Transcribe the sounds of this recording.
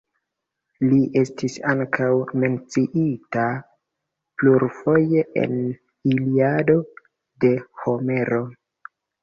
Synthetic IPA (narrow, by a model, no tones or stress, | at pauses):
liʔe̞stisaŋkʰawme̞nt͡siʔita | pluɾfo̞je̞ʔḛn | iliado̞ | de̞ho̞me̞ɾo̞